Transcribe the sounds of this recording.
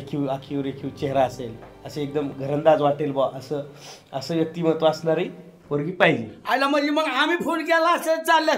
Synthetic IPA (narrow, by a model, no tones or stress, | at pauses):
ekʰiwakʰiʋɾekʰiwt͡ɕeɦɾaəseləsəek̚d̪əmɡʱəɾənd̪ad͡zʋaʈelbaʔəsəəsəjək̚t̪iːmət̪oasnaɾi | ʋəɾɡiːpajd͡ʑeajlaməd͡ʑiməɡamiːfʰonk̬ɛlaəset͡salːa